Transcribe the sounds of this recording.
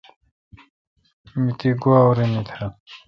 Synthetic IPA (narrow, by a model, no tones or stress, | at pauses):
mit̪iɡuawɾimit̪ʰa